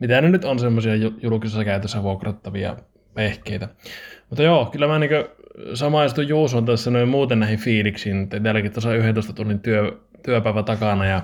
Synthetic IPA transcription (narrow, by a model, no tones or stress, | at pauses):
mit̪ænenyt̪onsemːosiɑjjulukisesːɑkæˑyt̪øsːæʋuokrɑt̪ːɑʋiɑ̰ | ʋehkˑeˑit̪æmut̪ːɑjoːkylːæmæniŋkøsɑmɑˑist̪ujjuːsont̪æsːænoˑimmuːt̪ennæhiɱfiːliksiːnut̪ːætælːækit̪osɑyhenoˑest̪ɑt̪unːint̪yø | t̪yøpæˑeʋæt̪ɑkɑnɑjɑ